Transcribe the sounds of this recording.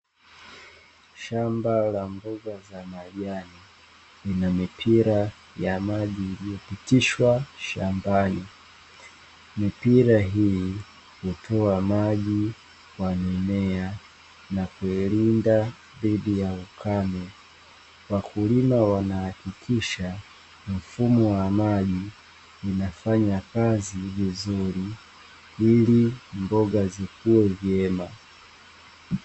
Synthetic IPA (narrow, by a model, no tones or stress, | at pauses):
ʃambalambuɡazamaʄani | linamipʰiɾa | jamaʄiːlijɔpitiʃwaʃambani | mipiɾaɦiji | hutʰɔamaʄi | kwanɛmɛa | nakuilinda | ðiɗijaukʰanɛ | wakʰulimawanahakikʰiʃa | m̩fumɔwamaʄiː | nafaɲakazivizuɾi | ilimbɔɡazikuwɛvjɛma